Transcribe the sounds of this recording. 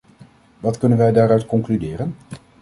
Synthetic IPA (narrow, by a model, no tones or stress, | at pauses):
ʋɑtkɵnənʋɛjdaːɹœɥtkɔŋklydɪːrən